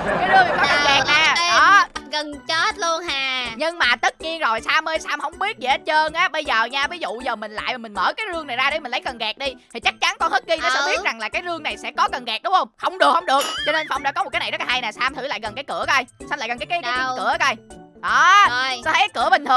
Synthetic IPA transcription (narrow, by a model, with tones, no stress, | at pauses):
kaː˨˦jzɨ˧əŋ˨˩kɔ˨˦kə˨˩ɣɛ˨˩k̚naː˨˩ɔ˨˦ɣə˨˩nt͡ɕe˦˥t̚lu˧ənaː˨˩ɲɨ˧ŋmaː˨˩t̪ə˦˥t̚ɲi˧ənzo˨˩jsaː˧məː˧jsaː˧mhə˧wŋ͡mɓi˦˥ət̚ɗe˨˩ʔeː˦˥t̚t͡ɕəː˧nʔaː˨˦ɓə˧jzəː˨˩ɲaː˧vi˨˦zṵ˧˨zəː˨˩mï˨˩ŋ̟la̰ː˧˨jma˨˩mï˨˩ŋ̟mə̰ː˧˩kaː˨˦jzɨ˧əŋna˨˩jzaː˧ɗe˧˦mï˨˩ŋ̟lə˨˦jkə˨˩nɣɛ˨˩k̚ɗi˧t̪ʰi˨˩t͡ɕa˦˥k̚t͡ɕa˨˦nkɔ˧nhəː˦˥t̚ɣi˧ɔ˨˦sɓi˦˥t̚za˨˩ŋlaː˨˩kaː˨˦jzɨ˧əŋna˨˩jsɛ̰˧˥kɔ˨˦kə˨˩nɣɛ˨˩k̚ɗʊ˨˦wŋ͡mhə˧wŋ͡mhə˧wŋ͡mɗɨ˨˩ək̚hə˧wŋ͡mɗɨ˨˩ək̚t͡ɕɔ˧ne˧nfa˧wŋ͡mɗa̰ː˧kɔ˨˦m̚˨˩kːaː˨˦n˨˩zɔ˦˥laː˨ɦa˧jnaː˨˩saː˧mt̪ʰɨ˧˩˦la̰ː˧˨jɣə˨˩nkaː˨˦jkɨ̰˧˩əkːjsaː˧mlaː˧˨˩ɣə˨˩nkːa˨˦kːaː˨˦kaː˨˦˧kɨ˧˩ə˨˦a˧˩jʔɔ˨˩˧sɔ˧˦t̪ʰka˨˦jkɨ̰˧˩əɓï˨˩t̪ʰɨ˨˩əŋ